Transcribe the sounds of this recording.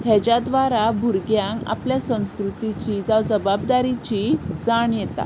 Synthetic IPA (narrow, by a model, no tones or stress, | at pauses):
hɛt͡ɕad̪ʋaɾabʱuɾɡjãŋka̰pljasə̃w̃skɾut̪it͡ɕiːd͡zaʋd͡zəbab̚d̪aɾit͡ɕiːd͡zaɳjɛt̪a̰